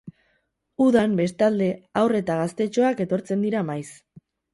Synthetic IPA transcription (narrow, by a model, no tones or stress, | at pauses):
uðambe̞st̪ald̪e̞awre̞t̪aɣ̞ast̪e̞t͡ʃo̞ake̞t̪o̞ɾt͡se̞nd̪iɾamajs